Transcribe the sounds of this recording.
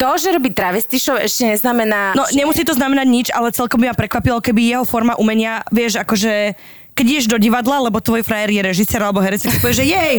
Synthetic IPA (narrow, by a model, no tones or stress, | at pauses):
t̪ɔʒɛɾɔbiːt̪ɾaʋɛst̪iʃɔʋɛ̰ʃcɛɲɛznamɛnaːnɔɲɛmusiːt̪ɔznamɛnaɟɲid͡ʒalɛt͡sɛlkɔmbimapɾɛkʋapilɔkɛbijɛɦɔfɔɾmaʔumɛɲɪaʋɪɛʒakɔʒɛ | kɛɟiɟɛʒd̪ɔɟiʋad̪lalɛbɔt̪ʋɔjfɾajɛɾjɛɾɛʒisɛːɾalɛbɔɦɛɾɛt͡sakspɔʋɛʒɛjɛɦɛj